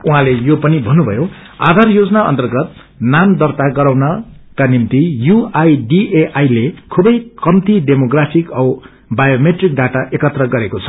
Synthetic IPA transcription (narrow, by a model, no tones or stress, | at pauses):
uɦãlejopʌnibʱʌnːubʱʌ̰jo | a̰d̪ʱarjod͡zʌnaʌ̰nt̪ʌrɡʌt̪̚ | namd̪ʌrt̪aɡʌɾawnʌkanimt̪ijuajɖieʔajlekʰubʌjkʌmt̪iɖemoɡrapʰikʌ | bajomeʈrik̚ɖaʈaʔekʌt̪rʌɡʌɾekot͡sʰʌ̥